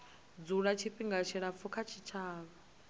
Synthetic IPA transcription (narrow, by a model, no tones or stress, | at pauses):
d͡zuɺat͡ʃʰiɸiŋɡat͡ʃʰiɺap̪fukʰat͡ʃʰit͡ʃʰaːβa